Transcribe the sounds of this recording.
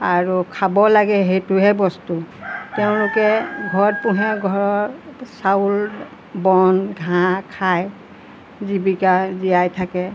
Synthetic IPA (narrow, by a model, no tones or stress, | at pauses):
aɹukʰabɔlaɡɛɦejtʊɦɛbɔstutɛʊ̃lʊkɛɡʱɔɹt̚puɦɛɡʱɔɹɔɹsaul | bɔnɡʱãkʰaj | zibikazijajtʰakɛ